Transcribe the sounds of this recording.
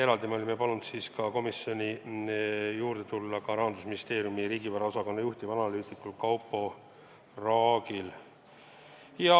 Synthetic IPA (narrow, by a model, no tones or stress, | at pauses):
e̞ɾɑld̪imo̞lʲimːepɑlunut̪siːskɑko̞misjo̞nʲi | juːɾd̪̥e̞t̪ulːɑkɑɾɑɦɑnd̪usminist̪e̞ːɾijumiɾiːɡipæɾɑosɑko̞nːejuht̪ibɑnɑlyːt̪ikːulkɑwpːˑo̞ | rɑːɡil | jɑ